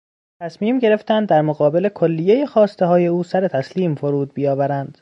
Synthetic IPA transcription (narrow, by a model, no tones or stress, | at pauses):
t̪ʰæsmiːmɟe̞ɾe̞ft̪ænd̪ːæɾmoɣɒːbe̞le̞kʰo̞lːijejexɒːst̪e̞ɦɒːje̞uːsæɾe̞t̪ʰæsliːmfoɾuːd̪̚bijɒːvæɾænd̪̥